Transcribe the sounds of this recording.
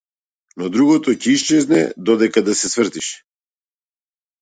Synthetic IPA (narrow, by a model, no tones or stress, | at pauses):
nɔd̪ɾuɣɔt̪ɔcɛiʃt͡ʃɛznɛ̰d̪ɔd̪ɛkad̪asɛsvr̩t̪iʃɛ̥